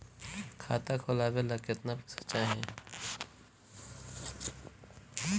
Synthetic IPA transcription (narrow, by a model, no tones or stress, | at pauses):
kʰaːt̪akʰoːlaːʋelɐket̪napsə̥t͡ʃaɦɛ̃ː